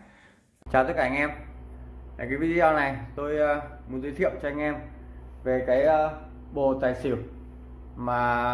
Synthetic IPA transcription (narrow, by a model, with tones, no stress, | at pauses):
t͡ɕaː˨˩t̪ə˧˦˥kaː˧˨˧ŋʔɛ˧m | a˨˩kaː˨˦jvi˧t̪i˧aː˧wna˨˩jt̪o˧jːmu˨˩t̚zi˧t̪ʰḭ˧˨əwt͡ɕɔ˧ʔa˧jŋ̟ʔɛ˧mve˨˩kaː˨˦j | ɓo˨˩t̪aː˨˩jsi˧˩əw | maː˨˩